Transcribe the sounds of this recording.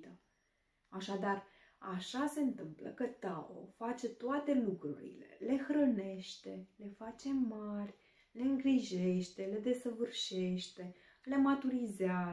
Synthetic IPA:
t̪ə | aʃad̪ar | aʃase̞ɨnt̪ɨmplə̰kət̪ao̰fat͡ʃe̞t̪oat̪e̞lukɾṵɾḭle̞̰le̞xɾəne̞ʃt̪e̞le̞fat͡ʃe̞marʲ | le̞ɨŋɡɾiʒe̞ʃt̪e̞le̞d̪e̞səvɨrʃe̞ʃt̪e̞ | le̞mat̪uɾizea

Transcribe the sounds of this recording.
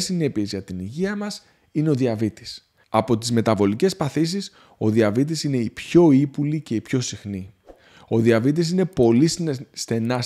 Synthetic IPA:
sine̞pie̞zʝɐt̪iniʝiɐmɐs | ineo̞ðiɐvit̪i̥s | ɐpo̞t̪izme̞t̪ɐvo̞lice̞spɐθisis | o̞ðiɐvit̪̬isine̞ipço̞ipulice̞ipço̞sixni | o̞ðiɐvit̪is̬ine̞po̞lisst̪e̞nɐ

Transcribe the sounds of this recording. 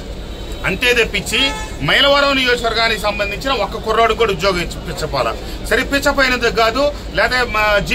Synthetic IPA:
ɐɳʈe̞ːd̪epːit͡ʃːi | mɐjlɐʋɐɾɐmnijo̞ːd͡ʒɐkʋɐɾɡaːnikisɐmbɐnd̪ʱiɲt͡ʃinɐɔkːɐkuɾːaːɽukoːɽud͡ʒ̪joːɡɐit͡ʃːipit͡ʃːɐpaːlɐ̰ | sɐɾepit͡ʃːɐpoːjnɐnd̪ɐɡaːd̪u | lɛːt̪ed͡ʒi

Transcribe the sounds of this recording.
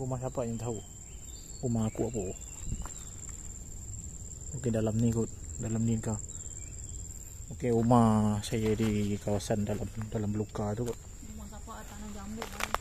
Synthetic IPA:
umahsapaʔɲaŋt̪aɦu | umaakuapuʔ | okedalamnikut̪̚dalamnika | okeumasajadikawasandalamdalambəlukat̪ukaʔ | aaabau

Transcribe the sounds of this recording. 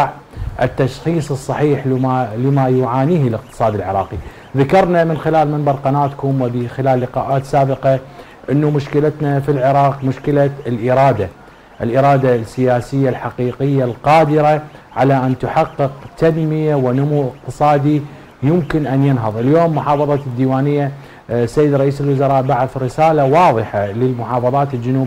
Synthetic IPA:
ʕ | ʔɪ̰t̪ːaʃxiːsˤɨsˤːɑħiːħaləmajʊʕaːniːhlɪq̚t̪ɨ̥sˤɑːd̪ɪlʕɪɾˤɑːqi | ðakɑɾˤnamɪnxɪlaːlmɪnd̪ɑɾˤqɑnaːt̪kʊmwɪbixɪlaːlːɪqa̰ːʔaːt̪saːbɪqɑ | ʔɪnːumʊʃkɪlat̪nafilʕɪɾˤɑːqmʊʃkɪlalʔɪɾˤɑːd̪a | ʔɪlʔɪɾˤɑːd̪asːɪjaːsɪjːalħaqiːqɪjːalqɑːd̪ɪɾaʕalaʔant̪ʊħɑqːɨqt̪anmɪjawɪnʊmuːʔɪq̚t̪ɨsˤɑːd̪i | jʊmkɪnʔanjɪnɦɑðˤɪljoːmːʊħɑːfɑðˤɑd̪ːiːwaːnɪjːa | sːajːɪd̪ɾˤɑʔiːsɪlwʊzɑɾˤɑːʔbaʕɪθɾɪsaːlawɑːðˤɨħalɪlmʊħɑːfɑðˤɑːt̪ɪld͡ʒʊnuːb

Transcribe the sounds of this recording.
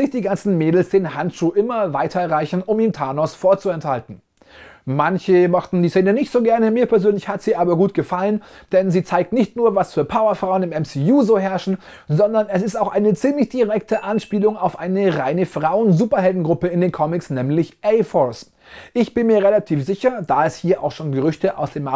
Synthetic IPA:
ɪçd̥iːɡant͡sn̩meːdl̩sd̥eːnhantʃuːʔɪmɐvaɪtʰɐɛʁaɪçn̩ʊmiːntʰaːnɔsfoːɐt͡suɛnthaltn̩ | mançəmɔχtn̩diːseːnənɪçtz̥oːɡɛɐnəmiːɐpʰɛɐzøːnlɪçhatz̥iːʔaːbɐɡuːtɡ̥əfalənd̥ɛnziːt͡saɪk̚tnɪçtnuːɐvasfyːɐpʰaʊɐfʁ̥aʊənɪmɛmsiːuːzoːɦɛɐʃn̩ | zɔndɐnɛsɪstaʊxʔaɪnət͡siːmlɪçd̥iʁɛk̚tʰəʔanʃpiːlʊŋaʊfʔaɪnəʁaɪnəfʁ̥aʊənzuːpɐɦɛldn̩ɡʁʊpəɪndeːnkʰɔmɪksnɛːmlɪçʔɛɪfɔs | ʔɪçb̥ɪnmiːɐʁelatʰiːfz̥ɪçɐd̥aːɛshiːɐʔaʊxʃoːnɡəʁʏçtəʔa̰ʊsd̥eːmʔa

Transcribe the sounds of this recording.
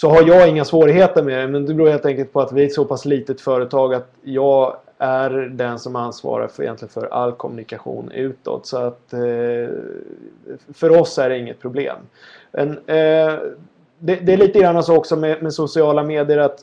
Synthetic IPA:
sɔɦaɾjɑːɡɪŋːasvoːɾɪɦheːt̪əɾmɛd̪ɛmɛnd̪ɛbɾuːɾheːlt̪ɛŋkəlt̪̚pʰɔat̪vɪæsɔpʰasliːt̪əɛt̪fœːɾət̪ʰɑːɡat̪jɑːɡ | æɾɖ̪ɛnsɔmansvɑ̰ːɾa̰fɪjɛ̰nt̪lɪɡənfœɾa̰lːkʰɔmɵnɪkaɧṵːnʉ̟ːt̪ɔ̰t̪sɔat̪ | fœɾɔsæɖɛɪŋːət̪pʰɾʊblḛːm | mʔɛ̰n | d̪ɛd̪ɛælɭiːt̪əɡɾanːasːɔksɔmɛmɛsʊsɪɑːlameːd̪ɪjəɾat̪

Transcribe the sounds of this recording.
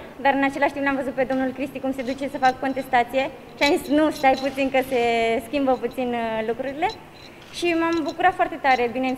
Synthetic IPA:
d̪aɾɨnat͡ʃe̞laʃt̪implamvəzut̪̚pe̞d̪o̞mnulkɾist̪ikumse̞d̪ut͡ʃe̞səfakko̞nt̪e̞st̪at̪sije̞ | ʃiamzisʲnuʃt̪ajput̪sinkəse̞skʲimbəput̪sinlukɾuɾile̞ | ʃimambukuɾat̪foart̪e̞t̪aɾe̞bine̞n

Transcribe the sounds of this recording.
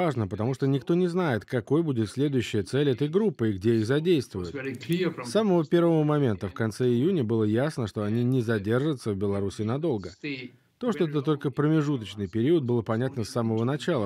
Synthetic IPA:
aʐnəpət̪ɐmuʂt̪onʲɪkt̪o̞nʲɪznajɪt̪kɐko̞jbudʲɪt̪sʲlʲe̞d̪ʊjʉɕːɪjət̪sɛlʲɛt̪əjɡɾupːɨɪɡdʲeixzɐdʲejst̪vʊjʊt̪sːaməvəpʲe̞rvəvəmɐmʲe̞nt̪əfkɐnt̪sɛɪjunʲəbɨlˠəjasnəʂt̪oɐnʲinʲɪzɐdʲe̞rʐɨt̪səvbʲɪlˠɐɾusʲɪːnɐd̪o̞lˠɡə | t̪o̞ʂt̪oɛt̪ət̪ːo̞lʲkəpɾəmʲɪʐut̪ət͡ɕnɨjpʲɪɾʲiʊət̪̚bɨlˠəpɐnʲat̪nəsːaməvənɐt͡ɕalˠə

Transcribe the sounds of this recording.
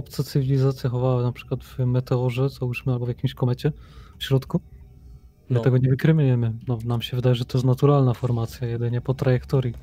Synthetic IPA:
ɔpt̪sat̪sɨvʲilʲizat̪sʲjaxɔvawanapʂkwad̪vmɛt̪ɛɔʐɛzauʂmɘalbɔvjakʲimɕkɔmɛt͡ɕɛfɕɾɔt̪ku | mɨt̪ɛɡɔɲɛvɘkɾɘmujɛmɘnɔnamɕɛvɘd̪ajɛʐɛt̪ɔjɛst̪nat̪uɾalnafɔɾmat̪sʲjajɛd̪ɘɲɛpɔt̪ɾajɛkt̪ɔɾji

